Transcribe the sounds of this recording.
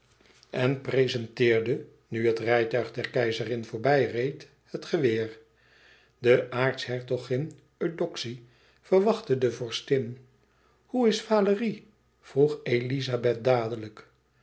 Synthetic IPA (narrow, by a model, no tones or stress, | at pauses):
ɛnprezɛntɪːɹdə | nyɦətrɛjtœɥχdɛɹkɛjzərɪnvʊːɹbɛjrejt | hətχəʋɪːr | dəʔaːɹtsɦɛɹtoχɪn | ødɔksi | fəɹʋɑχtədəvɔɹstɪn | huɪsfaːləri | v̥ruχejlizabɛt̚daːdələk